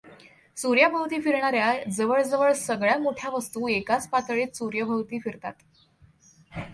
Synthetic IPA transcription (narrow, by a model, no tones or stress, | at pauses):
suɾjəbʱəwt̪iːfiɾɳaɾjad͡zəʋəɭd͡zəʋəɭsəɡɭjamoʈʰjaʋəst̪uːekat͡spat̪ɭiːt̪suɾjəbʱəʋt̪iːfiɾt̪a̰t̪